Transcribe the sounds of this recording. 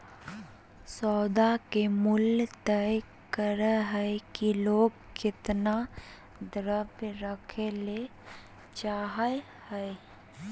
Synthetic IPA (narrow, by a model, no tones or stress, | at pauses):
sɔːd̪akemʊlt̪ɛj | kəɾəɦɛkiloːɡ | kɪt̪na | d̪ɾəbɾəkʰele | t͡ʃaːɦə | hɛe